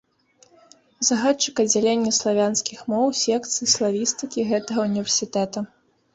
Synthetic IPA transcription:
zɐɣat̪t͡ʂːɨkɐd͡zʲalʲenʲːɐslˠavʲanskʲixmɔwsʲɛkt̪sɨislˠavʲist̪ɨkʲiɣɛt̪ɐɣɐunʲivʲɛrsʲit̪ɛt̪ɐ

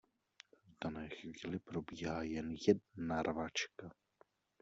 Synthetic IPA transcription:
vdanɛːxviːlɪpɾobiːɦaːjɛnjɛdnaɾvat͡ʃka

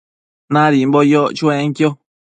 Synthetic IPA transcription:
nãɾimbojot͡ʃuẽŋkjo

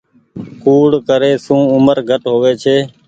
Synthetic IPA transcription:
kuːɽkəɾeːsũːʊməɾɡʱəʈɦoːʋeːt͡ʃʰeː

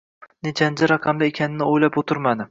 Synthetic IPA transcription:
net͡ʃʰand͡ʒaɾɑqʰɑmd̪aekʲʰanɪnɪojlapot̪ʰʊɾmad̪ɪ

